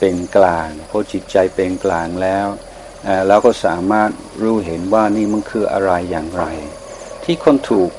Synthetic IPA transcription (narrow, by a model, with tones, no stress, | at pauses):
pe˧nklaː˧ŋpʰɔ˦˥t͡ɕi˨˩t̪̚t͡ɕa˧jpe˧nklaː˨˩ŋlɛː˦˥w | ʔaː˧˩lɛː˦˥wkɔː˥˩saː˩˦maː˥˩t̪̚ | ɾuː˦˥˩ɦe˩˦nwaː˥˩niː˥˩ma˧nkʰɯː˧ʔa̰˧ɾa˧jːaː˨˩ŋɾa˧j | t̪ʰiː˥˩kʰo˧nt̪ʰuː˨˩k̚